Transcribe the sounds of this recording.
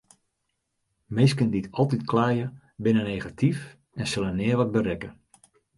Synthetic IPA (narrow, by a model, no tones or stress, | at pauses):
mɪskənditʰɔlˠtitklaːjə | bɪnənejɣatʰif | ɛnsɪlˠənɪːəʋɔt̚bəɾɛkə